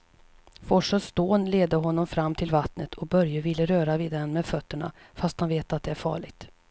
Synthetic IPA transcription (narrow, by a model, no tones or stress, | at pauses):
fɔʂəsd̪oːnleːd̪əɦɔnːɔmfɾamːt̪ʰɪlvat̪nət̪ʰɔbœɾjəvɪlːəɾøːɾaviːd̪ɛnmɛːd̪fœt̪ːəɳa̰ | fast̪hanveːt̪at̪̚d̪ɛæɾfɑ̰ːɭɪɡ̚t̪